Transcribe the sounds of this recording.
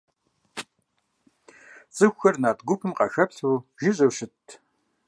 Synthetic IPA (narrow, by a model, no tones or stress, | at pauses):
t͡sʼɨxʷxɐrnaːtɡʷʊpʰɨmqɐxɐpɬuːʒɪɕʼɐwɕɪtʰ